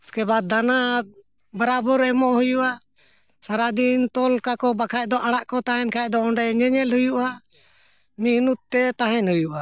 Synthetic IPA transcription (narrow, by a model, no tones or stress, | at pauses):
skɛbad̪ana | baɾabuɾɛmɔʔhujuʔa | saɾad̪int̪ɔlkakɔbakʰacd̪ɔʔaɽaʔkɔt̪aɦɛnkʰacd̪ɔɔɳɖɛɲɛɲɛlhujuʔa | minut̪̚t̪ːɛt̪aɦɛnhujuʔa